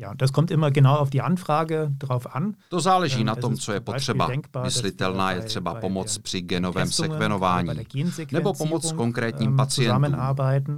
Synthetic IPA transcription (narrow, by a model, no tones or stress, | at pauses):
ja̰ːd̥askʰɔmtʔɪmɐɡənawaʊfd̥iːʔanfʁ̥aːɡəd̥ʁaʊfʔant̪o̞zaːlɛʒiːnao̞mt͡sojɛpotr̝̥ɛba̰ɛŋkb̥aːmɪslɪt̪ɛlnaːjɛt̪r̥ɛbapo̞mo̞t͡spr̥ɪɡɛno̞vɛːmsɛkvɛnovaːɲḭːɡ̥eːnzeknɛɛbo̞pomot͡ssko̞ŋkɾɛːt̪ɲiːmpat͡sɪjɛznamənnaɐbaɪtn̩